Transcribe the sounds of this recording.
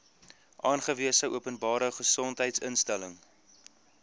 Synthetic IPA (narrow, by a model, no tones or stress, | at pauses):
ʔɑːnχəviəsəʔuəpənbɑːɾəχəsɔntɦəjtsənstæləŋ